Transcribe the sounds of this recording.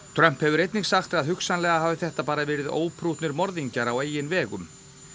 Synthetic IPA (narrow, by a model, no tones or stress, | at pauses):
t̪ʰɾœm̥phɛvʏɾejt̪nɪɣsaxt̪aðɦʏksanlɛːɣaɦaːvɪθɛht̪apaːɾavɛːɾɪðo̰ːwpʰɾuːt̪nɪɾmɔɾðiɲcaɾaweːjɪnvɛːɣʏm